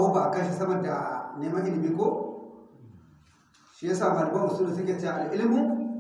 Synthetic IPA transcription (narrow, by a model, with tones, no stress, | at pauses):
wu˦ba˨ka˦ʃ̬i˨sa˦ma˨da˨ne˨ma˦i˦ni˨mi˦ko˦ | ʃi˨je˦sa˨ma˨li˨ba˦mu˨su˦nu˨se˦ke˦t͡ʃa˦˨a˨li˦li˦mu˦